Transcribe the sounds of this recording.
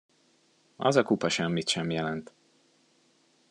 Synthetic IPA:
ɒ̰zɒkupɒʃɛmːit̪ʃɛmjɛlɛnt̪

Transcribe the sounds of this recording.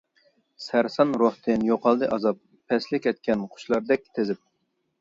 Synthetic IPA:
sæɾsɑnɾoht̪ʰɨnjoqɑlˠd̪ɨʔɑzɑp̚ʰːɛslɪkʲɛt̪̚kʲʰɛnqʰʊ̥ʃlˠɑɾd̪ɛk̚ʲt̪ʰezɪp̚

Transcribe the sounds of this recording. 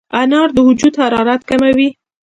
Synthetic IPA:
anɑɾd̪əhʊd͡ʒud̪haɾɑɾat̪kamawi

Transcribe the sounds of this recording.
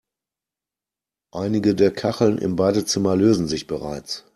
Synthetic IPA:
ʔaɪnɪɡədeːɐkʰaχl̩nʔɪ̰mbaːdət͡sɪmɐløːzn̩zɪçb̥əʁa̰ɪt͡s

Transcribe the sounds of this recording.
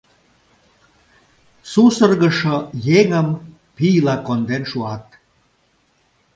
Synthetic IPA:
susərɣəʃojeŋəm | pijlɑkond̪enʃuɑt̪̚

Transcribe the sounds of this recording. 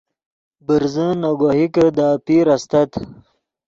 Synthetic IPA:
bəɾzənaɡohikəd̪apiɾast̪ɐt̪

